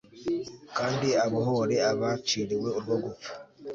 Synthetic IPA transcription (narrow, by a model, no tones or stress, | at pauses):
kaːndiaβoɦoɾeaβat͡ʃiɾiwe̞uɾuβoɡo